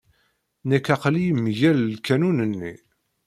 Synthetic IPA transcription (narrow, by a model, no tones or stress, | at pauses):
nəkːæqlijmʝællkænunənːḭ